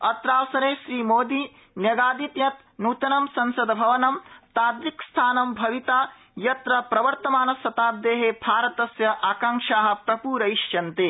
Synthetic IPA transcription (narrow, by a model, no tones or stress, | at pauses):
ɐt̪ɾaːʋɐsɐɾeːʃɾiːmoːd̪i | njɐɡaːd̪it̪jɐt̪̚ | nuːt̪ɐnɐmsɐnsɐd̪ɐbʱɐʋɐnɐmt̪aːd̪ɾikst̪ʰaːnɐmbʱɐʋit̪aː | jɐt̪ɾɐpɾɐʋɐɾt̪ɐmaːnɐsɐt̪aːb̚d̪eːɦeːbʱaːɾɐt̪ɐsjɐʔaːkɐŋkʂaːɦɐ̆pɾɐpuːɾɐiʃt͡ʃɐnt̪eː